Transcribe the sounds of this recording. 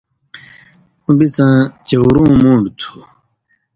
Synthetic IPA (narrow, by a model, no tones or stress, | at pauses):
ũbit͡sãːt͡ɕɐwɾũːmũːɳɖt̪ʰu